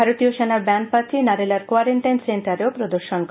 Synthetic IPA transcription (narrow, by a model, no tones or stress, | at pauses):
aɾot̪ijoʃenaɾbɛnpat̪ʰinaɾelaɾkwaɾeɳʈajnsenʈaɾeopɾod̪oɾʃonk